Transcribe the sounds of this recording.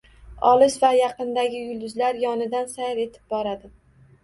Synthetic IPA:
ɒlˠɪʃvajɑqɨnd̪aɡʲɪjʊlˠd̪ʊzlaɾjɒnɪd̪ansajɾe̞t̪ʰɪ̥p̚bɒɾad̪ɪ

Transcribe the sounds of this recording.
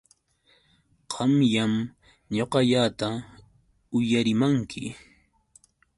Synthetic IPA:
qʰɑmjam | ɲoqɑʎat̪a | ʊjaɾɪmaŋkʰɪ

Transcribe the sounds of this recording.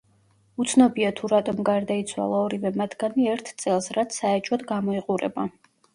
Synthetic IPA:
ut̪sʰnɔbiat̪ʰuɾat̪ʼɔmɡaɾd̪ait̪sʰwa̰lˠaɔɾivɛmat̪ʰɡ̥aniɛɾt̪ʰt̪sʼɛlˠsɾat̪sʰːaɛt͡ʃʼɔd̪ɡamɔiqʼuɾɛ̰ba

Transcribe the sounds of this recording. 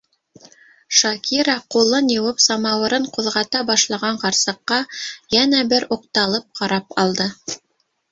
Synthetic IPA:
ʃɑkiɾɑqulˠːɤnjɤ̆wɤpsɑmɑwɤ̆ɾɤɴquðʁɑt̪ɑbɑʃlˠɑʁɑɴqɑɾsɤ̆qːɑjænæbɘɾuq̚t̪ɑlˠɤp̚qʰɑɾɑpɑlˠd̪ɤ

